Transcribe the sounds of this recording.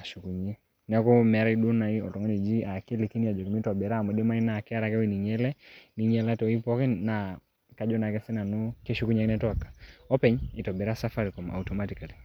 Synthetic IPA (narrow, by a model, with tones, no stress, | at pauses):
a˨ʃu˨ku˨ɲe˦ | nɛ˨ɔ˦kɔ˦mɛ˨ɾa˦i˦ɗu˦na˨i˦ɔ̰˨tɔ˨ŋɔ˦ɲe˨d͡ʒi˦a˨ki˦li˨ki˦nija˨d͡ʒɔ˨ki˨mi˦tɔ˨bɛ˨ɾaː˦˨mɔ˨de˦ma˦i˦na˨kɛ˦a˦ɾa˦kɛ˦wi˦ni˨ɲɛ˦lɛ˦ni˨ɲɛ˨la˦tɔ˨i˦pɔ˦kɪ˦na˨ | ka˨d͡ʒɔ˦na˨kɛ˦sɪ˦na˨no˦ke˦ʃu˦ku˦ɲe˨knɛ˦tɔ˦a˨kːḁ˨ɔ˦pɛ˦ɲɪ˨tɔ˨bɛ˨ɾa˦sa˦fa˦ɾi˨kɔ˨mʔa̰˨utɔ˨ma˦ti˨ka˨li˨